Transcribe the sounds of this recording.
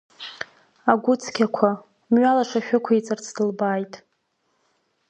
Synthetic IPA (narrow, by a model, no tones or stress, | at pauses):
aɡʷʊt͡sʰkʲakʷʰa | mɥalaʂaʃᶣakʷʰait͡sʼɨrt͡sʰdɨlbaːjtʼ